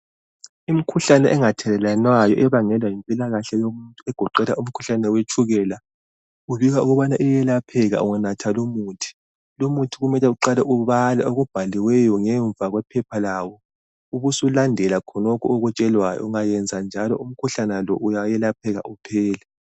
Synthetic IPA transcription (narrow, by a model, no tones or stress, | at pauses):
im̩kʰuɬanɛʔɛŋatʰɛlɛlanwajɔʔɛβaŋɛlwajimpʼilaɣaɬɛjomuntʼuɛɡ̥ʱɔǃɛlaʔum̩kʰu̥ɬanɛwet͡ʃʰʼuɣɛla | uβiɣauɣuβanaʔɛjɛlapʰɛɣa̰ʔṵŋanatʰalomuːtʰi̥ | lomutʰiɣumɛlɛuǃalɛʔuβalɛoɣub̥ʱaliwɛjɔŋɛɱb̪vaɣwɛpʰɛpʰalawɔ | uβusulandʱɛlakʰɔnɔkʰɔoɣut͡ʃʼɛlwajɔ̰uŋajɛnd͡zʱand͡ʒʱalɔ̰ʔum̩kʰuɬanɛlɔʔujajɛlapʰɛɣa̰ʔupʰɛːlɛ